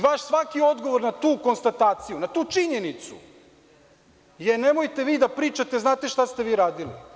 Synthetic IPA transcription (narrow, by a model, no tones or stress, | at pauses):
ʋaʃsʋakio̞d̪ɡo̞ʋo̞ɾnat̪uːkonst̪at̪aːt̪sijunat̪uːt͡ʃiɲenit̪sṵ | jene̞mojt̪e̞ʋiːd̪apɾiːt͡ʃat̪eznaːt̪e̞ʃt̪ast̪eʋiːɾaːd̪ilḭ